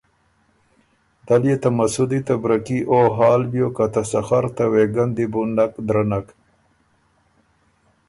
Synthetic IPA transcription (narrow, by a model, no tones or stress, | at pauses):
d̪̥aljet̪amasud̪it̪abɾakiʔoɦɑːlbjokat̪asaxaɾt̪aweɡand̪ibunakd̪ɾanak